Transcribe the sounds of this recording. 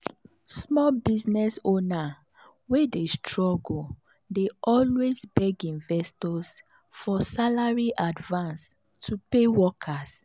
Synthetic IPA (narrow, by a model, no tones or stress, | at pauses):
smɔlbiznɛsona | wɛdestɹɔɡ | deɔlwezbɛɡĩnvɛstɔs | fɔsalaɹiʔadvãns | tʰupewɔkʰas